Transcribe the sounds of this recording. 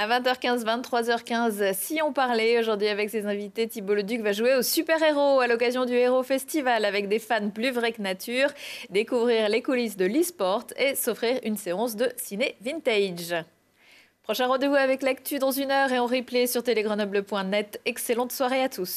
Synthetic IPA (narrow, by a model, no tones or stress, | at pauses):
avɛ̃t̪œʁkʲɛ̃zvɛ̃nt̪ːχwazœʁkʲɛ̃zsiɔ̃paʁleoʒuʁd̪ɥiavɛksezɛ̃vit̪et̪iboləd̪ykvaʒueosypɛʁeʁoalɔkazjɔ̃d̪yeʁofɛst̪ivalavɛk̚d̪efanplyvʁɛknat̪ʰyʁd̪ekuvʁiʁlekulis̬d̪əlispɔʁt̪esofχiʁynseɑ̃sd̪əsinevint̪ɛjd͡ʒ | pχɔʃɛ̃ʁɑ̃d̪evuavɛklak̚t̪yd̪ɑ̃zynœʁeɑ̃ʁiplesyʁt̪eleɡʁənɔbləpwɛ̃nɛt̪ɛkselɑ̃t̪swaʁeat̪ʰus